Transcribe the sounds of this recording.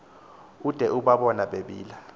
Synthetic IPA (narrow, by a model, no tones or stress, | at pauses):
ud̥ʱɛʔuɓaɓɔnaɓeɓiːla